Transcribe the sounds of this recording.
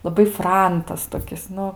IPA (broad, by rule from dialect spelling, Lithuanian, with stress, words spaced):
lˠɐˈbɐɪ ˈfrɐntɐs toːˈkʲɪs ˈnʊ